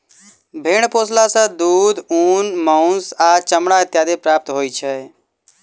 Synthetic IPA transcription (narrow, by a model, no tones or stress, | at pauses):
bʱeːɳpoːslasãd̪uːd̪uːnmaʊnsaːt͡ʃəmɽaɪt̪jaːd̪epɾaːp̚t̪ɦoːit͡ʃʰə